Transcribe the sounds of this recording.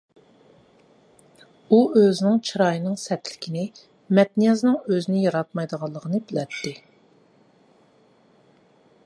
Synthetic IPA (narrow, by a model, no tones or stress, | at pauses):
uøzɪnɪŋt͡ʃʰiɾɑjɨnɨŋsɛt̪ʰlɪkʲʰinɪ | mɛt̪̚nijɑznɨŋøzɪnɪjɑɾɑt̪̚mɑjd̪əʁɑlˠːəʁənɨbɪlɛt̪ʰːɪ